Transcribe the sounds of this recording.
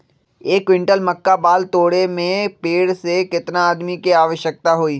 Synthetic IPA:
eːkʋɪ̃ɳʈəlmɐkːabaːlt̪oːɽemẽpeːɽsekɪt̪naaːd̪mikiaːʋəʃjək̚t̪aɦoːiː

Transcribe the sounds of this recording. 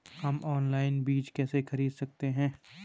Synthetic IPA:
hɐmʔɔːnlaːɪnbiːt͡ʃkɛːsexɐɾiːd̪sɐk̚t̪eɦɛ̃ː

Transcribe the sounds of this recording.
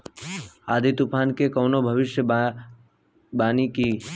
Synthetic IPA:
aːd̪ʱit̪upʰaːnkekɐːʊnobʱəʋɪʃjə | baːniki

